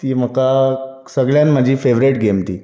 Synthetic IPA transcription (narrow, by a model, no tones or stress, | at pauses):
t̪iːm̤əka | səɡɭjãnm̤əd͡ʑʱiːfeʋɾeʈɡemt̪iː